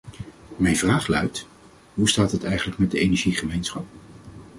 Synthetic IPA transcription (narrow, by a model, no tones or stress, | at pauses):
mɛjnvraːχlœ̰ɥt | ɦustaːtɦətɛjχənləkmɛt̚dəejnɛɹʒiχəmejnsχɑp̚